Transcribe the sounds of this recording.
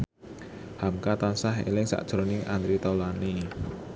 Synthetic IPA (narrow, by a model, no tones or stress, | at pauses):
hamkat̪ansaɦḛlɪŋsa̰ʔd̥ʒ̥ɾonɪŋʔand̪ɾit̪awlani